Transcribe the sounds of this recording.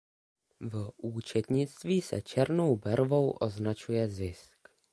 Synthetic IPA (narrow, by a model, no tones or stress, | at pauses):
vʔuːt͡ʃɛt̪ɲɪt͡st̪viːsɛ̰t͡ʃɛɾnowbɛɾvo̞wʔo̞znat͡ʃujɛzɪsk